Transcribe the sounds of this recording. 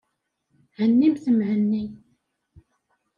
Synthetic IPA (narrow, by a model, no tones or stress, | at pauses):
hənːimθəmhənːi